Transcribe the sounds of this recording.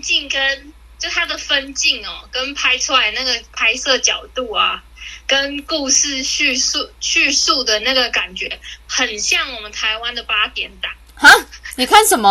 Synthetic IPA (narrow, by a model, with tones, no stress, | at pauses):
t͡ɕi˥˩ŋkə˦˥n | t͡ɕjo˥˧˩t̪ʰa˥d̪ə˨fə˦nt͡ɕi˥˩ŋɔ˩kə˦npʰa˥ɪʈ͡ʂʰu˦la˧˦ɪna˥˩ɡə˩pʰa˥ɪsɤ˥˩t͡ɕjɑ˨˩ʊt̪u˥˩a̰˩ | kə˦nku˥˧ʂɻ̩˥˧ɕy˥˧u˥˧ɕy˥˧su˥˩d̪ə˩na˥˩ɡə˩ka˨˩nt͡ɕɥɛ˧˦xə˨˩nɕjɑ˥˩ŋwɔ˨˩mə˦nt̪ʰa˧˥ɪwa˦˥nd̪ə˨pa˥t̪jɛ˧˥nt̪ɑ˨˩˦ŋha˥ni˨˩kʰa˥˩nʂə˨˩nmə˦